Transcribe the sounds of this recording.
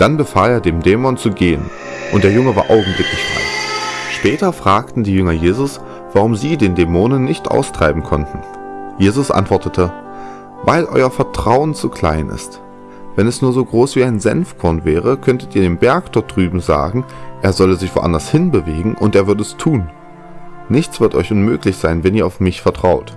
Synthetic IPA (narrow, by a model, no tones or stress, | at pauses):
d̥anbəfaːleːɐdeːmdɛːmɔnt͡suɡeːən | ʔʊnt̚d̥eːɐjʊŋəvaːɐʔaʊɡŋ̩blɪklɪçfʁ̥a̰ɪʃpɛːtɐfʁ̥aːktn̩diːjʏŋɐjeːzʊs | v̥aʁʊmziːdeːndɛmoːnənːɪçtʔa̰ʊstʁ̥aɪbm̩kʰɔntn̩ | jeːzʊsʔa̰ntv̥ɔɐtətʰə | vaɪlʔɔ̰ʏɐfɛɐtʁ̥aʊənt͡sukʰl̥a̰ɪnʔɪ̰st | v̥ɛnɛsnuːɐzoːɡʁoːsv̥iːaɪnzɛ̰nfkʰɔɐnvɛːʁ̞əkʰœntətiːɐdeːnbɛɐkd̥ɔɐt̚d̥ʁyːbm̩za̰ːɡŋ̩ʔeːɐzɔləzɪçv̥o̰ʔa̰ndɐshɪnbəveːɡŋ̩ʔʊnteːɐvʏɐdəɛstʰuːn | nɪçt͡sv̥ɪɐtʔɔ̰ʏçʔʊnmøːklɪçz̥aɪnvɛniːɐaʊfmɪçfɛɐtʁ̥aʊt